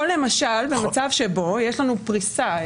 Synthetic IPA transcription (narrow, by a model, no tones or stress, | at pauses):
olemaʃalbe̞mat͡savʃe̞bo̞jeʃlanupʁisa